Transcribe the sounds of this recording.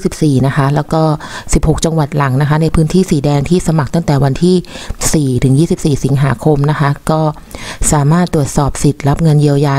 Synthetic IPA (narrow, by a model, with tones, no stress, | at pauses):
si˨˩p̚siː˨˩na˦˥kʰa˦˥lɛː˦˥wkɔː˥˩si˨˩p̚ho˨˩k̚t͡ɕa˧ŋwa˨˩t̪̚la˩˦ŋna˦˥kʰa˦˥na˧jpʰɯː˦˥nt̪ʰiː˥˩siː˩˦dɛː˧ŋt̪ʰiː˥˩sa˧ma˨˩k̚t̪a˥˩ŋt̪ɛː˨˩wa˧nt̪ʰiː˥˩siː˨˩t̪ʰɯ˩˦ŋjiː˥˩si˨˩p̚siː˨˩si˩˦ŋɦaː˩˦kʰo˧mna˦˥kʰa˦˥kɔː˥˩ | saː˩˦maː˥˩t̪ːɾu˨˩ət̪̚sɔː˨˩p̚si˨˩t̪̚la˦˥p̚ŋɤ˧nji˧əwjaː˧